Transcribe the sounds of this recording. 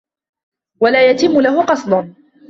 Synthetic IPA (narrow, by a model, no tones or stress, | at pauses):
walaːjat̪ɪmːʊlaɦʊqɑsˤd̪ʊn